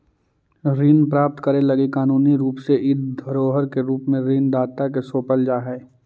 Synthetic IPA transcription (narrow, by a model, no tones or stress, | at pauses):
ɾiːnpɾaːp̚t̪kəɾẽlɐɡikaːnuːniɾuːpseʔɪd̪ʱəɾoːɦəɾkeɾuːpmẽɾiːnd̪aːt̪ak̬esoːpəld͡ʒaːɦɛː